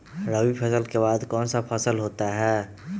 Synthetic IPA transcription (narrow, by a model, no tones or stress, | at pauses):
ɾəwipʰəsəlkebad̪kɔːnsapʰəsəlɦot̪aɦɛ